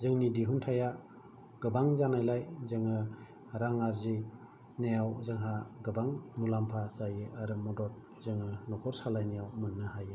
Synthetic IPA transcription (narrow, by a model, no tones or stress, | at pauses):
zɯŋnidiɦuntʰaja | ɡ̥ɯbaŋzanajlajzɯŋɯ | ɾaŋaɾzi | nejawzɯŋɦaɡɯbaŋmulampʰasajɯʔaɾɯmɔdɔt̚ | zɯŋɯnɔkʰɔɾsalajnejawmɯnːɯhaj